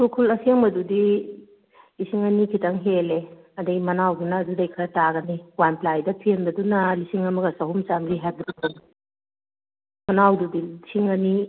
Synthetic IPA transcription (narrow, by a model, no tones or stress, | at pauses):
sukʰulɐsʰieŋbɐdudi | isiŋɐnikʰitaŋɦele | ɐdɐɡimɐnawdunɐːdudɐjkʰɐɾtaɡɐniwanplajdɐpʰienbɐdunɐlisiŋɐmɐɡɐsɐɦumt͡ʃaŋɡiɦeldɾɐk̚dɐnu | mɐnawdudiisiŋɐni